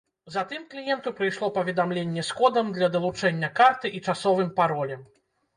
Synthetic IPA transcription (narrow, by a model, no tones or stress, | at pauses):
zɐt̪ɨmklʲijɛnt̪upɾɨjʂlˠɔpɐvʲɛd̪amlʲenʲːɛskɔd̪ɐmd̪lʲɐd̪ɐlˠut͡ʂɛnʲːɐkart̪ɨʔit͡ʂasɔvɨmpaɾɔlʲɛm